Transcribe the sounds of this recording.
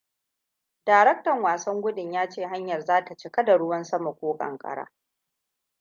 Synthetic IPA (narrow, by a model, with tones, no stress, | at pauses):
daː˨ɾɛ˦k̚tɐ˨ŋwaː˨sɐ˦ŋɡʷʊ˦ɗɪ˨ɲjaː˦t͡ʃeː˦˨ɦa˦ɲjɐ˨rzaː˦ta˨t͡ʃɪ˦kɐ˦da˨ɽʊ˦wɐ˦nsɐ˦ma˨kʷoː˦kʼɐ̰˨ŋkʼɐ̰˦ɽa̰ː˦